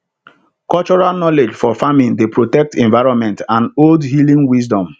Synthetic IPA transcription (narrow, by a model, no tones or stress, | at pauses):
kɔlt͡ʃɔɹalnɔled͡ʒfɔfamĩndepɹotɛk̚tɛ̃ɱvaɪɹɔ̃nmɛ̃ntãnoldhilĩŋwis̬dɔ̃m